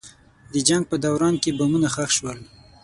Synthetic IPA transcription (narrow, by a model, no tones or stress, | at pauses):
d̪əd͡ʒaŋɡ̚pəd̪awɾɑnkebamunaxaxʃwəl